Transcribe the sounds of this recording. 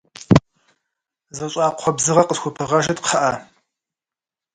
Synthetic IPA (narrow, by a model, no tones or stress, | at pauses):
zɐɕʼɑːqʷʰɔbzɨʁɐqəsxʷʊpʰɨʁɐʒɐtqʰɐʔɐ